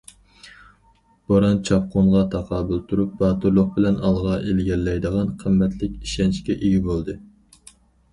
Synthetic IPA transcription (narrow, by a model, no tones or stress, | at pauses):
b̥oɾɑnt͡ʃʰɑp̚qonʁɑt̪ʰɑqʰɑːbɨlˠt̪ʰuɾup̚bɑːt̪uɾlˠʊq̚bɪlɛnɑlˠʁɑʔelɡʲɛlːɛjd̪əʁɑnqʰəmːɛt̪ʰlɪkʲiʃɛnt͡ʃkʲɛʔeɡʲibolˠd̪ɨ